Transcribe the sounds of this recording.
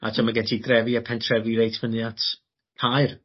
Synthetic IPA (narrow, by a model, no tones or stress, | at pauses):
a̰tʰamaɡɛtʰidrɛviapʰɛntʰrɛviɾejtʰvənatʰ | hajr